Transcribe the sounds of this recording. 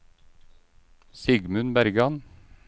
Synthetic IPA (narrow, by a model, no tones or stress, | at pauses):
sɪɡmʉnbæɾɡɑn